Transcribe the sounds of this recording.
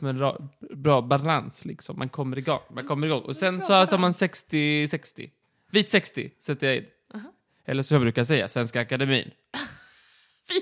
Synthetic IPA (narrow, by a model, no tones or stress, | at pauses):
mɛɛnɾɑ̰bɾɑːbalanslɪksɔmːʔa̰nkʰɔmːəɾɪɡɔ̰ŋːmankʰɔmːəɾɪɡɔŋːɔ̰sɛnsɔt̪ʰɑːɾmansɛkst̪ɪsɛkst̪ɪ̰ | viːt̪sɛkst̪ɪ̰sɛt̪ːəjaɪ̰d̪ | ɛ̰lːəʂɔmjabɾʉ̟ːkas̬ɛjːa̰svɛnskaːkad̪ɛmḭːn